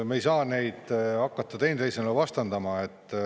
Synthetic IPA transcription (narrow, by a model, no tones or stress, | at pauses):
mejsɑːne̞jd̪̥ɑkːɑt̪ːɑt̪enejsenlevɑst̪ɑnd̪ɑmɑet̪ː